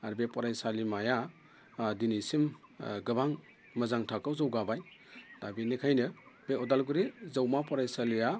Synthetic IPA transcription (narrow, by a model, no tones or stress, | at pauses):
aɾbepɔɾajsalimaja | dinisimɡɯbaŋ | mɐzaŋtʰakawzawɡabajd̥abinikʰajnɯbeɔdalɡuɾizawmapɔɾajsalija